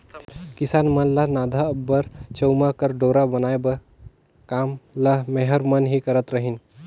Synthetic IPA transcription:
kisanmənlaɦnad̪ʱabːəɾt͡ʃəwmakəɾɖoɾabənaebə | kamlaɦmeɦəɾmənɦikəɾət̪ɾəɦin

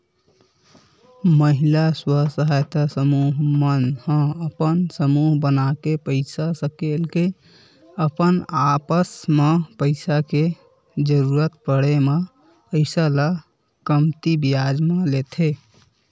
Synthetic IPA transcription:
məɦilaswəsəɦajt̪asəmuɦmənhə̃əpənsəmuɦbənakepəɪsasəkelke | əpənapəsmepəɪsake | d͡ʒəɾuɾət̪pəɽeme | pəɪsala | kəmt̪ibijad͡ʒmelet̪ʰe

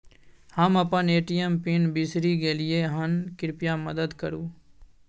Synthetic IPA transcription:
həməpə̃neːʈijəmpɪnbisɾiːɡeːlɪjeɦənkɪɾpɪjãːməd̪əd̪kəɾuː

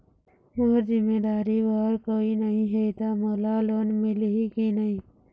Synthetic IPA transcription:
moːɾd͡ʒɪmeːd̪aːɾiʋaɾkoːinəɦĩɦet̪amoːlaloːnmɪlɦikinəɦĩː

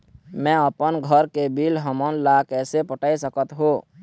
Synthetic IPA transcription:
mɛ̃əpənɡʱəɾkebilɦəmənlakɛːsepəʈaːisəkət̪ɦoː

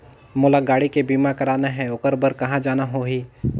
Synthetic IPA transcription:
mʊlaɡaːɽikebiːmakɐɾaːnaɦɛ̃ʊkəɾbəɾkɐɦãd͡ʒaːnaɦoːɦiː

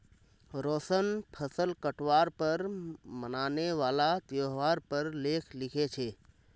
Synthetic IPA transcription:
ɾoːsənpʰəsəlkəʈʋaːɾpəɾmənaːneʋaːlat̪joɦʋaːɾpəɾleːkʰlɪkʰet͡ʃʰeː

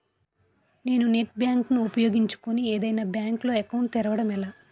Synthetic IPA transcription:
ne̞ːnuneʈ̚bjaːŋknuupɐjo̞ːɡiɲt͡ʃu̥konieːd̪ɐjnaːbjaːŋklo̞ːekɐwɳʈt̪iɾɐʋɐɽɐmɛlaː

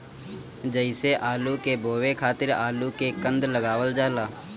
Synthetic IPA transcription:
d͡ʒəɪseʔaːlukebʱoːwekʰaːt̪ɪɾaːlukekə̃nd̪ləɡaːwəld͡ʒaːlaː

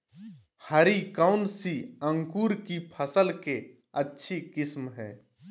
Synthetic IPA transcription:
hɐɾikaʊnsiə̃ŋkuːɾkipʰəsəlke | ətːʃʰikɪsmɦɛː

